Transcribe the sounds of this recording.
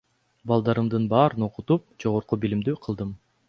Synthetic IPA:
bɑlˠd̪ɑɾɯmd̪ɯnbɑːɾɯno̞qut̪up̚d͡ʒo̞ʁo̞ɾqubilimd̪yqʰɯlˠd̪ɯm

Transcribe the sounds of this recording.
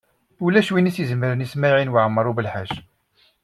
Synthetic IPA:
ulæʃwinisjəzəmːəɾnismaʕinwʕəmːɾˤubəlħaʒ

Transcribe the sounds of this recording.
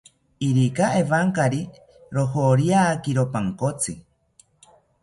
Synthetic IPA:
iɾikaeβaŋkaɾi | ɾohoɾiaːkiɾopaŋkot͡si

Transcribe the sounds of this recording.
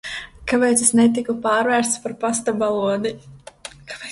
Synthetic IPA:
kapɛːt̪sesnɛt̪ikupaːɾvæːɾst̪spaɾpast̪abalˠuɔd̪i | kḁp

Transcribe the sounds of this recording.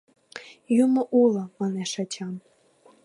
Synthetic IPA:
jumoʔulˠə̆mɑnɛʃɑt͡ɕʲʰɑn

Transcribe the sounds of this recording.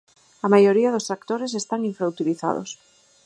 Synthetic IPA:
amajoɾiaðost̪ɾakt̪oɾes̬est̪aŋiɱfɾawt̪iliθa̰ðo̰s

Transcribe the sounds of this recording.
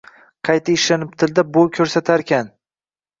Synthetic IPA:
qʰɑjt̪ʰaɪʃlanɪp̚t̪ʰɪld̪abolˠkʲʰɵɾsat̪ʰaɾkʲan

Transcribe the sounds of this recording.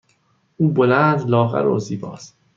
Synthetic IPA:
uːbolænd̪lɒːɣæ̰ɾo̰ziːbɒ̰ːs

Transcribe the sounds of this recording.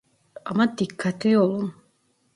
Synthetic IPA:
amad̪ikʰːat̪ijolˠum

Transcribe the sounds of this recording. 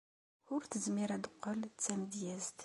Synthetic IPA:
ʊɾθəzmiɾæd̪əqːəlt͡sːæməd̪jæzt̪

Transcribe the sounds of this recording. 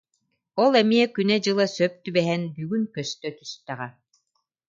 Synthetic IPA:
ɔlˠɛmiɛkynɛd͡ʑɯlˠasœp̚t̪ybɛɦɛnbyːɡynkœst̪œt̪yst̪æʁɛ

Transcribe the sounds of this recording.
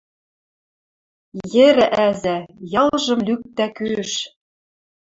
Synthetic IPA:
jɘ̆ɾɘ̆ʔæzæjɑlʒɤ̆mlyk̚t̪ækøʃ

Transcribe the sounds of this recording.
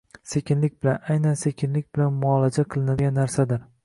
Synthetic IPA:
se̞kʲɪnlɪkʲbɪlanajnanse̞kʲʰɪnlɪkʲbɪlanmʊɒlad͡ʒaqʰɨlˠɪnad̪ɪɡʲanːaɾsad̪ɪɾ

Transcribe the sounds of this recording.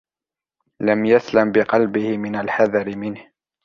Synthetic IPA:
lamjaslambɪqɑlbɪhɪmɪnalħaðɑɾɪmɪnh

